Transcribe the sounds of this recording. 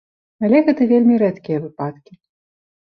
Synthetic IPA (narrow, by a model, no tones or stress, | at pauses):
alʲɛɣɛt̪ɐvʲelʲmʲiɾɛt̪kʲijɐvɨpat̪kʲi